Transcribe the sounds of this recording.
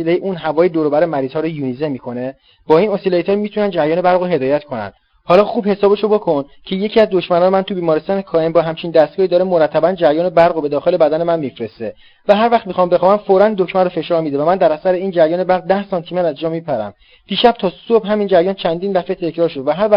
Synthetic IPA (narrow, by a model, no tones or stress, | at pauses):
ilejeʔuːnɦævɒːjed̪oɾobæɾemæɾiːz̥hɒːɾojunizemiːkʰo̞ne̞ | b̥ɒːinosilejt̪ʰɒɾmit̪ʰunænd̪d͡ʒæɾjɒːne̞bæɾɣoɦe̞d̪ɒːjæt̪kʰo̞næ̰nd̪ | hɒːlɒːxuːbhe̞sɒːbeʃobokʰo̞n | cʰe̞je̞cʰiæzd̪oʃmænɒːnemænt̪ʰubiːmɒːɾest̪ɒːnekʰɒːembɒːɦæmt͡ʃʰind̪æst̪ɡɒːhid̪ɒːɾemoɾæt̪ʰːæbænd͡ʒæɾjɒːne̞bæɾɣobe̞d̪ɒːxe̞lebæd̪æne̞mænmifɾest̪e | væɦæɾvæxχt̪mixɒːmbe̞xɒːvænfoɾænd̪o̞kmænrofe̞ʃɒːɾmid̪evæmænd̪æɾæsæɾeiːnd͡ʒæɾjɒːne̞bæɾɣd̪æhsɒnt̪ʰimeɾæzd͡ʒɒːmipʰæɾæ̰m | d̪̥iːʃæb̥̚t̪ʰɒːsobɦæmind͡ʒæɾjɒːnt͡ʃʰænd̪ind̪æfet̪ʰe̞cʰɾɒːɾʃo̞d̪væɦæɾvæ